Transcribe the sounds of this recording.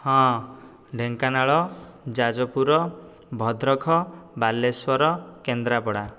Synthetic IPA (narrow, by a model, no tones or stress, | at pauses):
hɔ̃ | ɖʱeŋkanaɭɔd͡ʒad͡ʒɔpuɾɔ | bʱɔd̪ɾɔkʰɔbalːeswɔɾɔkend̪ɾapɔɽa